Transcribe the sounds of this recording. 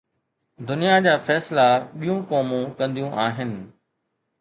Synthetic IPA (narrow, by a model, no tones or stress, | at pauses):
d̪ʊnijad͡ʑaːfɛːslaɓijũkɔːmũkɐ̃nd̪ijũʔaːɦɪnɪ̆